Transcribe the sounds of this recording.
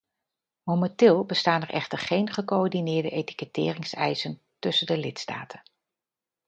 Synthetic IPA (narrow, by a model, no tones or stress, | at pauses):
momɛntɪːlˠbəstaːnɛɹʔɛ̰χtəɹχejnχəkoɔɹdinɪːɹdəʔejti̥kətɪ̰ːrɪŋsɛjsən | tɵsəndəlɪtsta̰ːtʰən